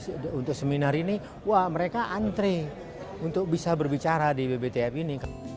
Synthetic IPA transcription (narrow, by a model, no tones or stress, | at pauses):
unt̪ʊk̚səminaɾini | wahməɾekaʔant̪ɾe | unt̪ʊk̚bisabərbit͡ʃaɾadibebet̪eɛpinik